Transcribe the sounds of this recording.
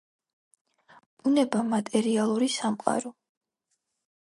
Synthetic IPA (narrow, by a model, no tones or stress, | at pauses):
unɛbamat̪ʼɛɾialˠuɾisamqʼa̰ɾɔ